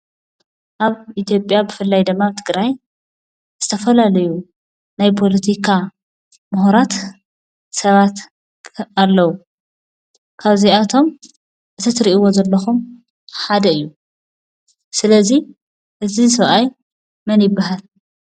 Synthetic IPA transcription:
ʔaβit̪jo̞pʼjabɨfɨlːajd̪ɨmːaβt̪ʰɨɡɾaj | z̥ɨt̪ʰɐfɐlalɐju | najpʰo̞lɐt̪ʰikʰa | mʊhuɾat̪ | sɐβat̪ | alːɐwu | kʰaβziat̪ʰo̞m | ʔɨt̪ʰɨt̪ɾiʔiwozɐlːɐxum | ħad̪ɐɨjːu | sɨlɐzi | ʔɨzisɐβʔaj | mɐnjɪbːaɦal

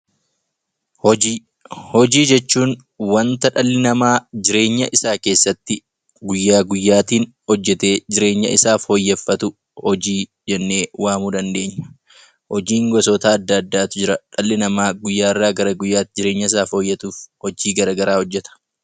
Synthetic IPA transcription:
hɔd͡ʒiːd͡ʒɛt͡ʃːuːn | wɐnt̪ɐᶑɐlːɪnɐmaːd͡ʒɪɾe̞ːɲːɐʔɪsaːke̞ːsːɐt̪ːɪ | ɡʊjːaːɡʊjːaːt̪iːn | hɔd͡ʒːɛt̪e̞ːd͡ʒɪɾe̞ːɲːɐ̰ʔɪsaːfhɔjːɛfːɐt̪ʊ | hɔd͡ʒiː | d͡ʒɛnːe̞ːwaːmuːd̪ɐnd̪e̞ːɲːɐ̥ | hɔd͡ʒiːŋɡɔsɔt̪aːd̪ːɐːd̪ːaːt̪ʊd͡ʒɪɾɐᶑɐlːɪnɐmaːɡʊjːaːɪrːaːɡɐɾɐɡʊjːaːt̪ɪd͡ʒɪɾeːɲːɐɪsaːfhɔjːɛt̪uːfhɔd͡ʒiːɡɐɾɐɡɐɾaːhɔd͡ʒːɛt̪ɐ̥

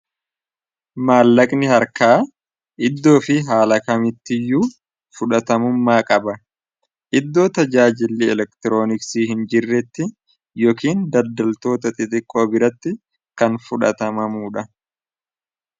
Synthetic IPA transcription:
maːlːɐkʼnɪhɐɾkaː | ʔɪd̪ːo̞ːfɪɦaːlɐkɐmɪt̪ːɪjuː | fʊᶑɐt̪ɐmʊmːaːkʼɐbɐ | ʔɪd̪ːo̞ːt̪ɐd͡ʒaːd͡ʒɪlːiɛlɛkt̪ɪɾo̞ːnɪksiːhɪnd͡ʒɪrːɛt̪ːɪ | jɔːkiːnd̪ɐd̪ɐlt̪o̞ːt̪ɐt̪ʼɪt̪ʼɪkʼːo̞ːbɪɾɐt̪ːɪ | kɐnfʊᶑɐ̰t̪ɐmɐmuːᶑɐ

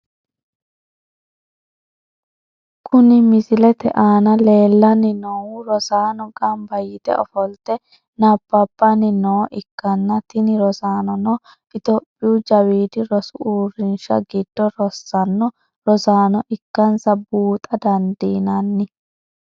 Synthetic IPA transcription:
kʰʊnɪmɪzɪlɛt̪ɛ̰ʔaːnɐle̞ːlːɐnɪnɔwʊɾɔsaːnɔɡʼɐmbɐjɪt̪ɛ̰ɔfɔlt̪ɛ | nɐb̥ːɐb̥ːɐnɪnɔːʔɪkːɐnːɐt̪ɪnɪɾɔzaːnɔnɔ | ɪt̪ɔpʼːɪud͡ʒɐwiːd̪ɪɾɔsʊuːrɪnʃɐ̰ɡɪd̪ːɔɾɔsːɐnːɔ | ɾɔzaːnɔʔɪkːɐnsɐbuːt̪ʼɐd̪ɐnd̪iːnɐnːɪ

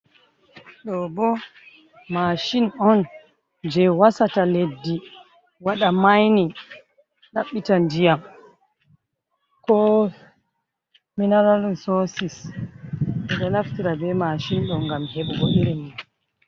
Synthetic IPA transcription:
ɗɔbɔ | maʃinɔn | d͡ʒɛwasataledːi | waɗamajni | naɓːitandijam | kɔ | minaɾalunsosis | ɛɗɔnaftiɾabɛmaʃinɗɔnɡamheɓuɡoɗiɾimːun

